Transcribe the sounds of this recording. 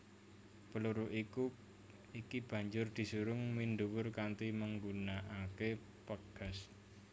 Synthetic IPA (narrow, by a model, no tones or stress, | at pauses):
pəluɾʊʔiku | ikib̥ä̤ɲd͡ʒʊrd̪̥i̤suɾʊŋmind̪uwʊrkant̪iməŋɡunaʔake | pəɡ̥a̤s